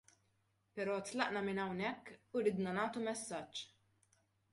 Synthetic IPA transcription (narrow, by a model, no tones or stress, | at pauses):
pɛɾɔːt̪lɐʔnɐmɪnɐwnɛkːuɾɪːd̪nɐnɐːt̪umɛsːɐt͡ʃː